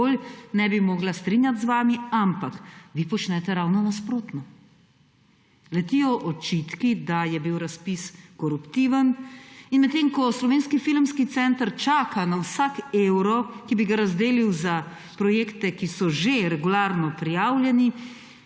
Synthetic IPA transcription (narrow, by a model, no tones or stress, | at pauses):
olnɛbimɔːɡlast̪ɾinjat̪zʋaːmiampakʋipɔt͡ʃnɛt̪ɛɾawnɔnaspɾoːt̪nɔ | lɛt̪ijɔʔɔt͡ʃit̪kid̪ajɛbiwɾaspiskɔɾupt̪iːʋəninmɛt̪ːeːmkɔslɔʋeːnskifilmskit̪sɛnt̪əɾt͡ʃaːkʰanawsakewɾɔkibiɡaɾazd̪eːliwza | pɾɔjeːkt̪ɛkisɔʒeɾɛɡulaɾnɔpɾijaːwljɛni